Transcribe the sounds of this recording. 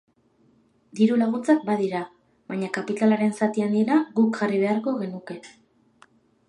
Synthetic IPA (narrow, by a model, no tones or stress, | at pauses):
d̪iɾulaɣ̞ut͡sak̚baðiɾa | βaɲakapit̪alaɾe̞nsat̪iand̪iɾaɣukʝariβ̞e̞aɾko̞ɣe̞nuke̞